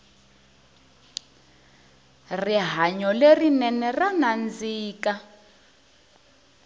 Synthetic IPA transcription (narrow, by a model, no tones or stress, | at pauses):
riɦaɲɔlerinɛnɛranand͡ziːka